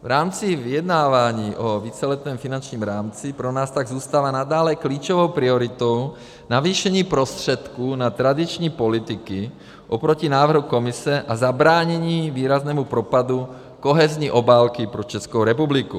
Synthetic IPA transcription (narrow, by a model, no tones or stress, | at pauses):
vɾaːmt͡sivijɛd̪naːvaːɲiːʔoviːt͡sɛlɛt̪nɛːmfinant͡ʃɲiːmɾaːmt͡sipɾonaːst̪aɡzuːst̪aːvanad̪aːlɛkliːt͡ʃovowpɾioɾit̪ow | naviːʃɛɲiːpɾost̪r̝̥ɛt̪kuːnat̪ɾad̪it͡ʃɲiːpolit̪iki | ʔopɾocinaːvr̩ɦukomisɛʔazabɾaːɲɛɲiːviːɾaznɛːmupɾopad̪u | koɦɛzɲiʔobaːlkipɾot͡ʃɛskowɾɛpubliku